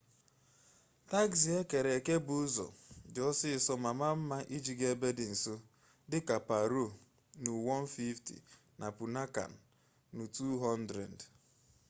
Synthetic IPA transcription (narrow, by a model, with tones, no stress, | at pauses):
ta˦ɡsi˨e˦ke˨ɾe˨ke˦bʊ˨ʊ˦zɔ̰˨d͡ʒɔ˦sɪ˦˨sɔ˦ma˨ma˦m̩˦ma˦ʔi˦d͡ʒi˨ɡe˦be˦dɪ˨n̩˨so˦ | dɪ˦ka˨pa˨ɾo˦˨ | nu˨wɔ˦n̩˦fi˦ftḭ˨ | na˨pu˨na˦ka̰˨n̩˨ | nu˨tu˦ɦɔ˦ndɾḛ˨d